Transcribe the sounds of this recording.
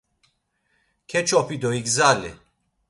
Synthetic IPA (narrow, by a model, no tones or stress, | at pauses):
kʰɛt͡ʃʰɔpʰid̪ɔiɡzalḭ